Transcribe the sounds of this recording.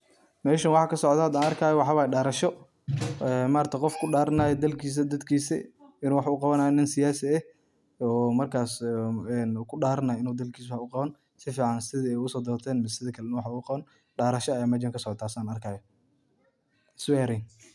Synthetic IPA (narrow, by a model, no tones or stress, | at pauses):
mɛːʃɐnwɑħɑːkʰɐsɔʕd̪ɐhɐd̪aːnɐrkʰaːjɔwɑħɑːwaːjɖaːɾɐʃɔ | ɛːmaːɾt̪ʰɐqɔfkʰʊɖaːɾɐnaːjɛd̪ɐlkʰiːs̬ɐd̪ɐd̪kʰiːsɛ̰ɪnuːwɑħaʊqɑβɐnaːjɔnɪnsɪjaːsɪɛ | ɔːmɐrkʰaːsɛnːkʰʊɖaːɾɐnajɪnuːd̪ɐlkʰiːswhʊqɑβɐn | sɪfiːʕɑnsɪðɪɛjʊsɔːd̪ɔːrt̪ʰɛːnmɪssɪðɐkʰɐlɛnɐwɑħʊqɑβɐn | ɖaːɾɐʃɔɐjaːmɛd͡ʒɐŋkʰɐsɔʕt̪ʰaːsaːnɐrkʰaːjɔ | sʊɛːɾɛjn